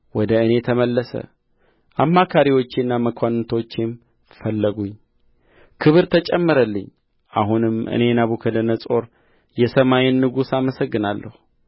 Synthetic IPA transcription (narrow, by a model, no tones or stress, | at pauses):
wɔd̪əɨne̞t̪ʰəməlːəsə̰ | ʔamːakʰaɾiwo̞t͡ʃːɪnːaməkʷʰanɨt̪ʰo̞t͡ʃːem | fəlːəɡuɲː | kʰɨβɨɾt̪ʰət͡ʃʼɛmːɨɾəlːɨɲː | ʔaɦunɨmʔɨ̰ne̞naβukʰəd̪ənəsʼo̞ɾ | jɛsəmajɪnːɨɡusaməsəɡːɨnalːə̰hu